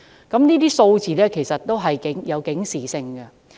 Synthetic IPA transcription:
kɐ˨˥mniː˥t̪iː˥so˧wt͡siː˨lɛː˥kʰe˨˩jsɐ˨t̚t̪o˥wɦɐ˨jkɪ˨˥ŋjɐ˨˧wkɪ˨˥ŋsiː˨˩sɪ˧ŋɡɐ˧

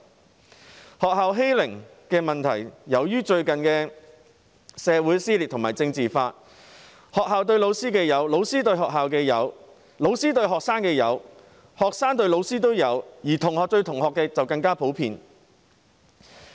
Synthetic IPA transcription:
hɔː˨k̚ɦaː˨wɦe˥jlɪ˨˩ŋkɛː˧mɐ˨nt̪ʰɐ˨˩jːɐ˨˧wjyː˥t͡ʃɵ˧ɥkɐ˨nkɛː˧ | sɛː˨˧wuː˨˥jsiː˥liː˨t̪̚ʰʊ˨ŋmaː˨˩jt͡sɪ˧ŋt͡siː˨faː˧t̚ | hɔː˨khaː˨wt̪̬ɵ˧ɥlo˨˧wsiː˥kɛː˧jɐ˨˧wlo˨˧wsiː˥t̪ɵ˧ɥɦɔː˨k̚ɦaː˨wkɛː˧jɐ˨˧w | lo˨˧wsiː˥t̪̬ɵ˧ɥɦɔː˨k̚saː˥ŋkɛː˧jɐ˨˧w | hɔː˨k̚saː˥ŋt̪ɵ˧ɥlo˨˧wsiː˥t̪̬o˥wjɐ˨˧wjiː˨˩t̪ʰʊ˨˩ŋhɔː˨k̚t͡ʃɵ˧ɥt̪ʰʊ˨˩ŋhɔː˨kːɛː˧t͡sɐ˨wkɐ˧ŋkaː˥pʰo˨˥wpʰḭː˧n

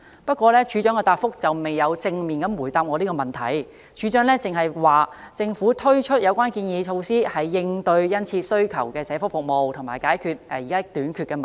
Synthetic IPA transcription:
pɐ˥t̚kʷɔː˧lɛː˥t͡ʃʰyː˨˥t͡ʃœː˨˥ŋkɛː˧t̪aː˧t̚fʊ˥k̚t͡sɐ˨wme˨jjɐ˨˧wt͡sɪ˧ŋmiː˨˩nkɐ˨˧˥mwu˨˩jt̪aː˨˥p̚ŋɔː˨˧niː˥kɔ˧mɐ˨˩nt̪ʰɐ̰˨˩j | t͡ʃʰyː˨˥t͡ʃœː˨˥ŋlɛː˥t͡sɪ˨ŋɦɐ˨jwaː˨t͡sɪ˧ŋfuː˨˥t̪ʰɵ˥ɥt͡ʃʰɵ˥t̚jɐ˨˧wkʷwaː˥nkiː˧njiː˨˧t͡ʃʰo˧wsiː˥hɐ˨jːɪ˧ŋt̪ɵ˧ɥjɐ˥nt͡sʰiː˧sɵ˥ɥkʰɐ˨˩wkɛː˧sɛː˨˥fʊ˥k̚fʊ˨k̚mo˨wt̪ʰʊ˨˩ŋmaː˨˩jkaː˨˥jkʰyː˨˧t̚ɛ˧ji˨kaː˥t̪yː˨˥nkʰy˨˧tkɛ˧mɐ˨˩n

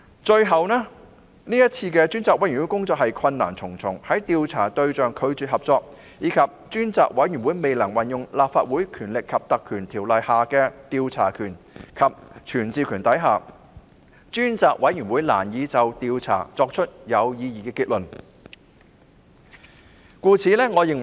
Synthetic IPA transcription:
t͡ʃɵ˧ɥɦɐ˨wnɛː˥ | niː˥jɐ˥t̚t͡sʰiː˧kɛː˧t͡ʃyː˥nt͡saː˨k̚wɐ˨˥jwu˨˥kʊ˥ŋt͡sɔː˧k̚hɐ˨jkʰɐ˧nna̰ː˨˩nt͡sʰʊ˨˩ŋt͡sʰʊ˨˩ŋhɐ˨˥jt̪iː˧wt͡sʰa̰ː˨˩t̪ɵ˧ɥt͡ʃœː˨ŋkʰɵ˨˧ɥt͡syː˨t̚hɐ˨p̚t͡sɔː˧k̚ | jiː˨˧kʰɐ˨p̚t͡ʃyː˥nt͡saː˨˧k̚wɐ˨˥jyː˨˩nwuː˨˥jme˨jlɐ˨˩ŋwɐ˨˩njʊ˨ŋlaː˨p̚faː˧t̚wuː˨˥jkʰyː˨˩nlɪ˨kʰːɐ˨p̚t̪ɐ˨kʰyː˨˩nt̪ʰiː˨˩wlɐ˨jhaː˨kɛː˧t̪iː˧wt͡sʰaː˨˩kʰyː˨˩n | kʰɐ˨p̚t͡ʃʰyː˨˩nt͡siː˧kʰyː˨˩nt̪ɐ˨˥jɦaː˨˩ | t͡ʃyː˥nt͡saː˨˧k̚wɐ˨˥jyː˨˩nwuː˨˥jla̰ː˨˩njiː˨˧t͡sɐ˨wt̪iː˧wt͡sʰa̰ː˨˩t͡sɔː˧k̚t͡ʃʰɵ˥t̚jɐ˨˧wjiː˧jiː˨˩kɛː˧kiː˧t̚lɵ˨˩n | kuː˧t͡sʰiː˨˧lɛː˥ŋɔː˨˧jɪ˨ŋ

